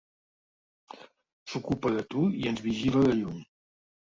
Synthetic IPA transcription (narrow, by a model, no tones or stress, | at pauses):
sukupəðət̪uiənzβiʒiləðəʎuɲ